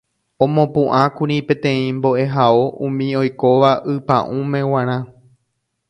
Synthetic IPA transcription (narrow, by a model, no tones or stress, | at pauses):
õmõpũʔãkuɾipẽ̞t̪ẽ̞ĩmbo̞ʔe̞ɦaoʔũmĩo̞jko̞ʋaʔɨpã̰ʔũmẽ̞w̃ãɾ̃ã